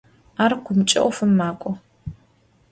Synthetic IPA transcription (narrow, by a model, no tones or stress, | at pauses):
aːrkʷʰʊmt͡ʃʼɐ̰ʔʷɔfɨmːaːkʷʼɔ